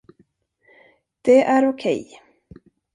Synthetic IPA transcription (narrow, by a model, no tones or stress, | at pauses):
d̪̥ɛʔæɾʊkʰɛ̰j